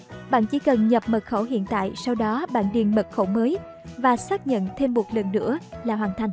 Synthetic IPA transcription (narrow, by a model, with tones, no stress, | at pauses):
ɓa̰ː˧˨nt͡ɕḭ˧˩˦kə˨˩nɲə˨˩p̚mə˨˩t̚xo˧˩ɦḭ˧˨ənt̪a̰ː˧˨jsa˧wɗɔ˨˦ɓa̰ː˧˨nɗi˨˩ənmə˨˩t̚xo˧˩wməː˨˦j | vaː˨˩saː˦˥k̚ɲə̰˧˨nt̪ʰe˧mɓu˨˩t̚lə˨˩nːɨ̰˧˥əlaː˨˩ɦwaː˨˩nt̪ʰa˧˩jŋ